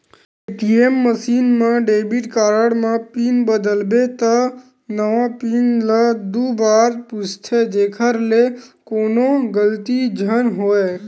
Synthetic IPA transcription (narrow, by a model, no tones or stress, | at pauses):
eʈiemːəsinmãɖebiʈkaɾəɽmãpinbəd̪əlbet̪a | nəʋãpinləd̪ubaɾpust̪ʰed͡ʒekʰəɾlekonoɡəlt̪id͡ʒʱənɦoj